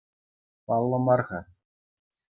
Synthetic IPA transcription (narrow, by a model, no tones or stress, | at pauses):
pɑlˠːɤ̆mɑrʁɑ